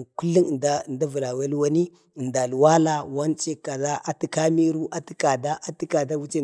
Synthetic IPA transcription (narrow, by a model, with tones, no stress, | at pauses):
ku˦lːi˦ŋ˨da˦˨nda˦vu˨la˨we˦lwa˦ni˦˨ | nda˨lwa˦la˦wa˦nt͡ʃe˦ka˨za˦ʔa˨ti˨ka˦mi˦ɾu˦ʔa˨ti˦ka˨da˦a˦ti˦ka˨da˦wu˦t͡ʃe˦